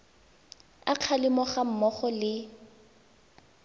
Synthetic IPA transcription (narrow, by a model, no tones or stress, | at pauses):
aq͡χʰalɪmɔχam̩mɔχɔlɪ